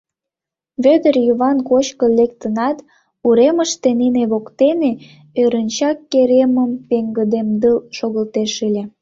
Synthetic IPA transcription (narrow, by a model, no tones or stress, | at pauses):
βød̪ərjuβɑnkot͡ɕkəlekt̪ənɑt̪ | uɾeməʃt̪eneneβokt̪ene | øɾənʲt͡ɕɑkːeɾeməmpeŋɡəd̪emd̪əlʃoɣəlt̪eʃɨlʲe